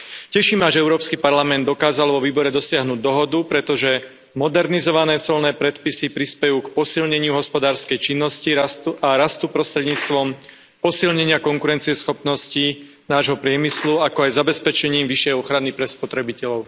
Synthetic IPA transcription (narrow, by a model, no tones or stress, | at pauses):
cɛʃiːmaʒɛɛʊɾɔːpskipaɾlamɛnd̪ːɔkaːzalʋɔʋiːbɔɾɛd̪ɔsɪaɦnuːɟ̚d̪ɔɦɔd̪upɾɛt̪ɔʒɛ | mɔd̪ɛɾnizɔʋanɛːt͡sɔlnɛːpɾɛt̪pisipɾispɛjuːkpɔsilɲɛɲɪuɦɔspɔd̪aːɾskɛjt͡ʃinːɔsciaɾast̪upɾɔst̪ɾɛd̪ɲiːt͡st̪ʋɔm | pɔsilɲɛɲɪakɔŋkuɾɛnt͡siɪɛsxɔpnɔsci | naːʒɦɔpɾɪɛmisluakɔajzabɛspɛt͡ʃɛɲiːmʋiʃjɛjɔxɾanipɾɛspɔt̪ɾɛbicɛʎɔʊ